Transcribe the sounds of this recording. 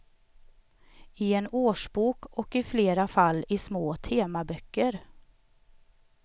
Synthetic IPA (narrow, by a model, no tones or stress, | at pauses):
ɪɛnoːʂbuːkɔkɪfleːɾafalːɪsmoːt̪ʰeːmabœkːəɾ